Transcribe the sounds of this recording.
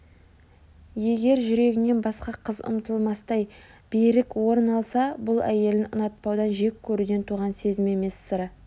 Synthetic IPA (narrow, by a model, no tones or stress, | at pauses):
je̞ɡʲe̞ɾʒʏɾe̞ɡʲɪne̞nbɑsqɑqʰəzʊ̰mt̪əlˠmɑst̪ɑjb̥ejɾɪkwo̞ɾənɑlˠsɑbʊlˠæje̞lɪʊnɑt̪̚pɑwd̪ɑnʒe̞kʲʰːɵɾud̪e̞nt̪ʰuʁɑnse̞zɪme̞me̞sːəɾə